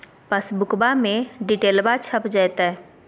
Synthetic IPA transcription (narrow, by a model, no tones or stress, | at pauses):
pəsbʊkbamẽɖiʈeːlbat͡ʃʰəpd͡ʒajt̪aɦɛ